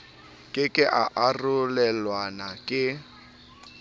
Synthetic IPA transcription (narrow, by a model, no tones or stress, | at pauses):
kʼɪkʼɪʔaʔarʊlɛlwanakʼɪ